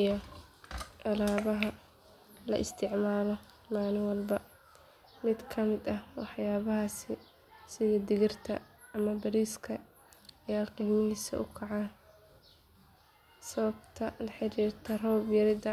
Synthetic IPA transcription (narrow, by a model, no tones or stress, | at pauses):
jɔ | ʔɐlaːβɐɦɐ | lɐ̰ʔɪst̪ʰɪʕmaːlɔ | maːlɪŋwɑlbɐ | mɪd̪kʰɐmɪd̪ɐwɑħjaːβɐɦaːsɪ | sɪðɐd̪ɪɣɪrt̪ʰɐ̰ɐmɐbɐɾiːskʰɐ | ɐjaːlqiːmɪɦɪsɐ̰ʔʊkʰɑʕaː | sɐβɐbt̪ʰɐlɐħɪɾiːrt̪ʰɐrɔːbjɐɾɪd̪ɐ